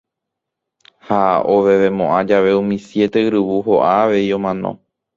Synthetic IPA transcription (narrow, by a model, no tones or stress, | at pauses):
haoʋe̞ʋe̞mõʔãd͡ʒaʋe̞ũmĩsje̞t̪e̞ɨɾɨʋuɦoʔaːʋe̞iõ̞mãnõ̰